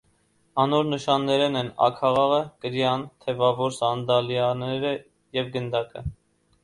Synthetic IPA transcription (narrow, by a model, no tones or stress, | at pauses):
ɑnɔɾnəʃɑnːɛɾɛnɛnɑ̰kʰɑʁɑʁəkəɾjɑnt̪ʰɛvɑvɔɾsɑnd̪ɑljɑnɛɾə | jɛvɡənd̪ɑkə̰